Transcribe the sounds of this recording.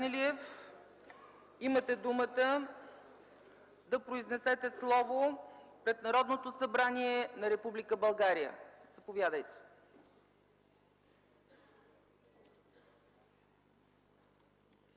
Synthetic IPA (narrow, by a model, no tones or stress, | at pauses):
niliɛf | imət̪ɛd̪umət̪ə | d̪ɐpɾoiznɛsɛt̪ɛslˠɔvopɾɛt̪nɐɾɔd̪not̪osɐbɾaniɛnɐɾɛpublikəbɐlˠɡaɾijə̰z̥ɐpovjad̪əjt̪ɛ̥